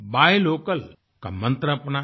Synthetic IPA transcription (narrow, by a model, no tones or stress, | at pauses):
bajlokəl | ka̰mənt̪ɾəpna